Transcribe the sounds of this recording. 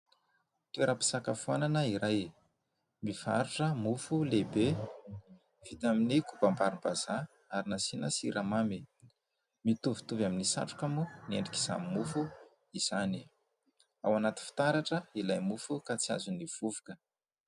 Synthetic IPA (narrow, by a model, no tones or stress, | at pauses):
t̪eɾəpi̥sakafuananəiɾaj | miva̰ɾuʈ͡ʂəmufulebe | v̥it̪aminikupambaɾimbaz̥a | aɾinasinəsiɾʔamami | mit̪uvu̥t̪uvaminisa̰ʈ͡ʂu̥kamuneɳɖ͡ʐiki̥za̰mimufu | iz̥ani | a̰wanat̪i̥fi̥t̪aɾaʈ͡ʂəilajmufukat͡sia̰zuniv̥uvu̥kə̥